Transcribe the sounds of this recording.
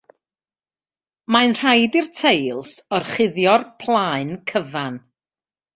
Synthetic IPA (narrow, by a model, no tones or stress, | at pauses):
manr̥ajdirtʰejlˠsɔrχɪðjɔrpʰlˠaɨnkʰəvan